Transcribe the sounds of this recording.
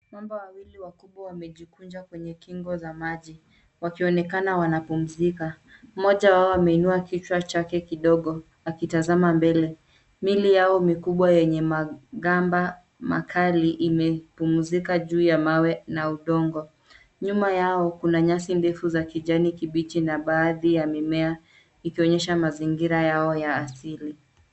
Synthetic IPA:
mambawawiliwakuɓwawamɛʄikund͡ʒakwɛɲɛkiŋɡɔzamaʄi | wakiɔnɛkanawanapum̩zika | mɔʄawaɔamɛinuakit͡ʃwat͡ʃakɛkiɗɔɠɔ | akitazamambɛlɛ | milijaɔmikuɓwajɛɲɛmaɠamba | ma̰kʰaliʔimɛpumuzikaʄuːjamawɛnauɗɔŋɡɔ | ɲumajaɔkunaɲasindɛfuzakiʄanikiɓit͡ʃinaɓaːðijamimɛa | ikiɔɲɛʃamaziŋɡiɾajaɔjaːsili

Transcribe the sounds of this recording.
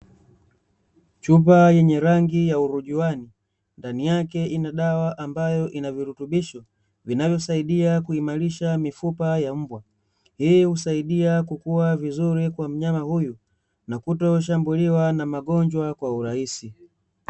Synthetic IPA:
t͡ʃup̬ajɛɲɛɾaŋɡijauɾuʄiwani | ndanijakɛinaɗawaʔambajɔʔinaviɾutuɓiʃɔ | vinavjɔsaiɗiakuimaɾiʃamifupajam̩bwa | hihusaiɗiakukuwavizuɾikwam̩ɲamahuju | nakutɔʃ̬ambuliwanamaɠɔɲd͡ʒwakwauɾahisi

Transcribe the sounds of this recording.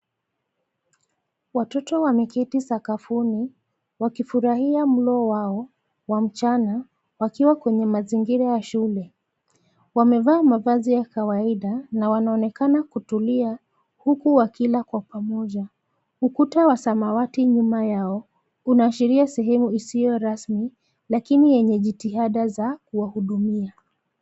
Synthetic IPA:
watɔtɔwamikitisakafuni | wakifuɾahiam̩lɔwaɔ | wam̩t͡ʃana | wakiwakwɛɲɛmaziŋɡiɾajaʃulɛ | wamɛvaːmavazijakawaiɗanawanaɔnɛkanakutulia | hukuwakilakwapamɔʄa | ukutawasamawatiɲumajaɔ | unaːʃiɾiasɛɦɛmuisijɔɾasmi | lakinijɛɲɛʄitiɦaɗazakuwahuɗumia

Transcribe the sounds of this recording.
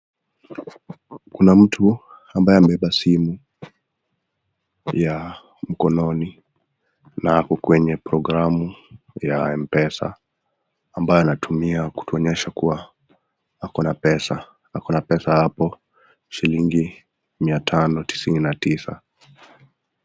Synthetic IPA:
kunam̩tʰu | ambajɛamɛɛɓasimu | ja | m̩kɔnɔni | nahakɔkwɛɲɛpɾɔɡɾamu | jaɛmpɛsa̰ː | mbajɔanatʰumiaku̥tuɔɲɛʃakuwa | akɔnapɛsa | hakɔnapɛsahapɔ | ʃiliŋɡi | miatʰanɔti̥sininatisa̰

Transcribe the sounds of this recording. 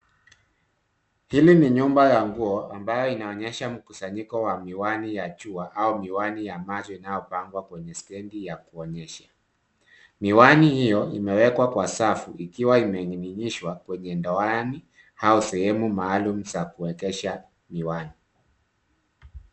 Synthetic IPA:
hiliniɲumbajaŋɡuɔambajɔinaɔɲɛʃam̩kusaɲikɔwamiwanijat͡ʃuaʔaumiwanijamazɔinajɔpaŋɡwakwɛɲɛstɛndijakuɔɲɛʃḁ | miwanihijɔimɛwɛkwakwasafuʔikiwaimɛŋɡiniɲiʃwakwɛɲɛndɔani | hausɛhɛmumaːlum̩sakuwɛkɛʃa | miwani

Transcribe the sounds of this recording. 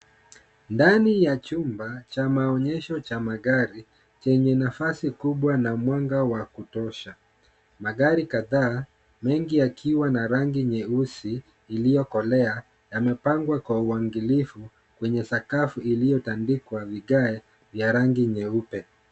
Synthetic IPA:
ndanijat͡ʃumbat͡ʃamaɔɲɛʃɔt͡ʃamaɠaɾi | t͡ʃɛɲɛnafasikuɓwanamwaŋɡawakutɔʃa | maɡaɾikaðaː | mɛŋɡijakʰiwanaɾaŋɡiɲɛusiː | lijɔkɔlɛa | jamɛpaŋɡwakwauaŋɡilifu | kwɛɲɛsakafuilijɔtandikwaviɠaɛ | vjaɾaŋɡiɲɛupɛ

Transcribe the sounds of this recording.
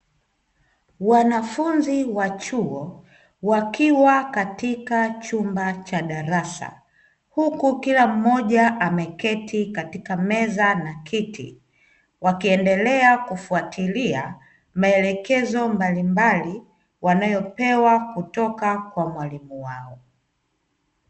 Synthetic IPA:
wanafunziwat͡ʃuɔ | wakiwakatikat͡ʃumbat͡ʃaɗaɾasa̰ | hukukilam̩mɔʄaʔamɛkɛtikatikamɛzanakʰitḭ | wakiɛndɛlɛakufuatʰilia | maɛlɛkɛzɔmbalimbali | wanajɔpɛwakutɔkakwamwalimuwaɔ

